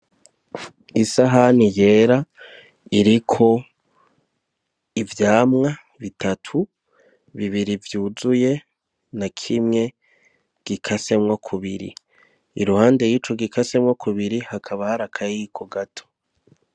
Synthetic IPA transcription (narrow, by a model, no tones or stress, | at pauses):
isaɦanije̞ːɾa | iɾikʰo̞ | ivjaːmŋa | βitʰatʰu | βiβiɾivjuːzuje̞ | nakʰimŋe̞ | ɡ̥ikʰase̞mŋwakʰuβiɾḭ | ḭɾuhaːndejiːt͡ʃoɡikʰase̞mŋokʰuβiɾihakʰaβahaɾakʰajikʰoɡatʰo̥